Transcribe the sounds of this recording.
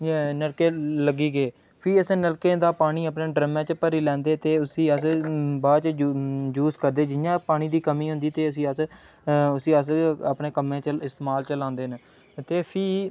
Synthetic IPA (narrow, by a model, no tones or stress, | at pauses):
nəɽkeːləɡiːɡeː | pʰiːəsnəɾkeːd̪aːpaːɽ̃iːəpnẽːɖɾəmãːt͡ʃpəɾiːlɛ̃ːnd̪eːt̪eːʊsiːəsbaːt͡ʃd͡ʒuːzkəɾd̪eːd͡ʒɪjãːpaːɽ̃iːd̪iːkəmiːɦʊ̃nd̪iːt̪eːəsĩːəs | ʊsiːəs̬əpɳeːkəmẽːt͡ʃəɪst̪ːmaːlt͡ʃəlãːnd̪eːn | t̪eːpʰiː